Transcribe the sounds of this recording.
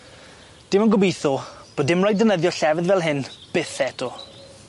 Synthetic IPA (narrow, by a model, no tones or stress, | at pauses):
d̥ɪmənɡʊbejθɔb̥oːdɪmrajdənəðjɔɬɛvɪðvɛlˠɦɪnb̥ɪθɛtʰɔ